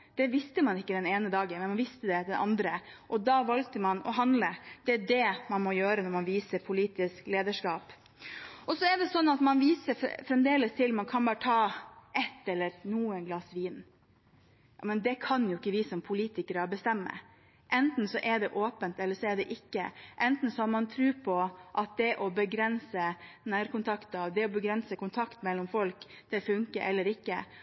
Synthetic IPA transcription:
d̪̥ɛʋɪst̪əmɑnɪkːəd̪ɛneːnəd̪ɑːɡənmɛnmɑnʋɪst̪əd̪ɛd̪ɛnʔɑ̰nd̪ɾəʔɔd̪ɑːʋɑlk̚t̪əmɑnɔ̰ɦɑnd̪ləd̪̥ɛæɖɛmɑnmɔjøːɾənɔɾmɑnʋiːsəɾpʰʊliːt̪ɪskleːd̪əʂkɑːp | ʔɔsɔɛɖɛsɔnːɑt̪mɑnʋiːsə̰fɾɛmd̪eːləst̪ʰɪlmɑnkʰɑnbɑːɾət̪ʰɑːɛt̪ːɛlːəɾnuːənɡlɑsʋiːn | jɑ̰mɛnd̪ɛkʰɑnjʊɪkːəʋɪsɔmpʰʊliːt̪ɪkəɾəbəst̪ɛmːə̰ | ʔɛnt̪n̩sɔʔɛɖɛʔoːpənt̪ɛlːəʂɔɛɖɛʔɪkːə̰ʔɛnt̪n̩sɔhɑɾmɑnt̪ʰɾʉːpʰɔʔɑt̪̚d̪ɛʔɔbəɡɾɛnsənæːɾkʊnt̪ʰɑkt̪ɑʋd̪ɛɔbəɡɾɛnsəkʊnt̪ʰɑkt̪mɛlːɔmfɔlk | t̪ʰɪfʉŋkə̰ʔɛlːəɾɪkːə̰

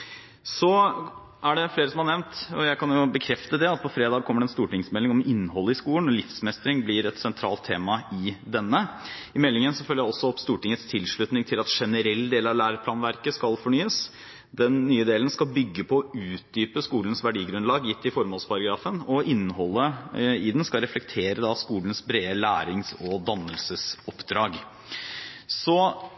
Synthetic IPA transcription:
sɔ | æɖɛfleːɾəsɔmhɑɳɛʋnt̪ɔjæɪkɑnjʊbəkʰɾɛft̪əd̪ɛɑt̪̚pʰɔfɾeːd̪ɑːɡ̚kʰɔmːəɖɛnst̪uːʈɪŋsmɛlːɪŋɔmɪnːhɔlːəɪskuːlənɔlɪfsmɛst̪ɾɪŋblɪɾɛt̪sɛnt̪ʰɾɑ̰ːlt̪ʰːeːmɑɪd̪ɛnːəɪmɛlːɪŋənsɔfœlːəjæɪɔsɔɔpst̪uːʈɪŋət̪st̪ʰɪlʂɭʉt̪nɪŋt̪ʰɪlɑt̪ʂɛnəɾɛlːd̪eːlɑʋlæːɾpʰlɑːnʋæɾkəskɑlfɔɳyːəs | d̪ɛnːyːəd̪eːlənskɑlbʏɡːəpʰɔːʉːt̪̚d̪yːpəskuːlənsʋæɖiːɡɾʉnlɑːɡjɪt̪ːɪfɔɾmoːlspʰɑɾɑɡɾɑːfənɔɪnːəɦɔlːəɪd̪ɛnskɑɾɛflɛk̚t̪ʰeːɾəd̪ɑskuːlən̩sbɾeːəlæːɾɪŋsɔd̪ɑnːəlsəsɔpːd̪ɾɑːɡ | sɔ

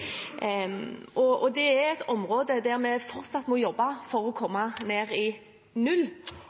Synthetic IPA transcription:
ɔɔd̪ɛɛɾɛt̪ʰɔmʁoːd̪əd̪æʁmɛfɔɾt̪sɑt̪ːmɔjɔbːɑfɔɾɔkʰɔmːɑneːʁɪ | nʉlː

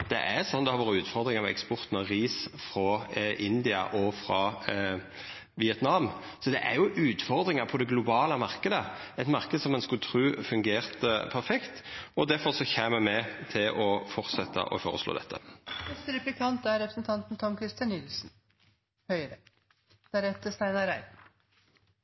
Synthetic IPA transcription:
d̪̥ɛ̰ʔæɾsɔnd̪ɛhɑɾʋɑːɾəʉːt̪fɔʁd̪ɾɪŋɑʋɑɛ̰kspɔʁt̪nəʁiːsfɾɑʔɪnd̪ɪɑ̰ʔɔfɾɑ | ʋɪɛt̪nɑm | sɔd̪ɛʔæɾjʊʔʉːt̪fɔʁd̪ɾɪŋəpʰɔd̪ɛɡlʊbɑːləmɑʁkəd̪əɛt̪mɑʁkəd̪sɔmɛnskʉt̪ʰɾʉːfʉŋɡeːʁt̪əpʰæɾfɛkt̪ɔd̪æfɔʁsɔçeːmmɛmɛt̪ʰɪlʔɔfɔɾt̪sɛt̪ʰːə̰ʔɔ̰fo̰ːʁəslo̰ːd̪ɛ̰t̪ːə̰nɛst̪əɾɛplɪkʰɑnt̪æɾɾɛpɾəsnt̪ʰɑnt̪n̩t̪ʰɔmkʰɾɪst̪jɑnnɪlsn̩ | hœʏɾə | t̪ʰæɾɛt̪ːəst̪æɪnɑɾæɪ

